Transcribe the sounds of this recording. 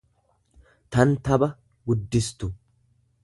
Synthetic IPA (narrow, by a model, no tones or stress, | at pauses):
t̪ɐnt̪ɐbɐ | ɡʊd̪ːɪst̪ʊ